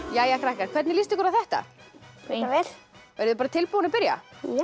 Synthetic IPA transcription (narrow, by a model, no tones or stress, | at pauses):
jaːjakɾahkaɾkʰv̥ɛt̪nɪlist̪ɪkɔɾawθɛht̪a̰eavɛlvejɾðʏpaːɾat̪ʰɪlpowanɪpɪɾja̰